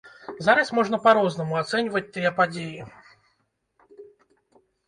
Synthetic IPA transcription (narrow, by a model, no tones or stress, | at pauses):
zaɾɐsmɔʐnɐpaɾɔznɐmuat̪sɛnʲvɐt͡s̚ʲt̪ɨjɛpad͡zʲeji